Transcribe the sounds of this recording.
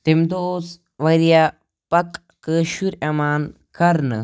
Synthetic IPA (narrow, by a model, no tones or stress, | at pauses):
t̪emd̪oos | ʋɐɾija | pɐkː | əʃuɾɐmaːn | kɐɾnɨ̰